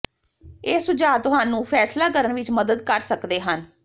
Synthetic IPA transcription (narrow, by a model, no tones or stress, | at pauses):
eːsʊd͡ʒaːt̪ʊɦaːnũːpʰɛːslaːkəɾənʋɪt͡ʃməd̪əd̪kəɾsəkd̪eːɦən